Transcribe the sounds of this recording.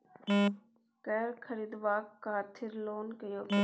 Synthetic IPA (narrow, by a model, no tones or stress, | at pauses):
kɛːɾkʰəɾiːd̪ʋaːkːaːt̪ʰɪɾloːnkəjoː